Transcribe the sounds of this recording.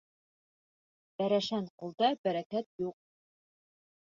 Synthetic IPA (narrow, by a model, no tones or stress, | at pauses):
b̥æɾæʃænqulˠd̪ɑbæɾækæt̪juq̚